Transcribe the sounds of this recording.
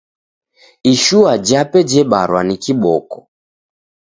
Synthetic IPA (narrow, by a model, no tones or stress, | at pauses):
iʃuad͡ʒapɛd͡ʒɛɓaɾwanikiɓɔkɔ̥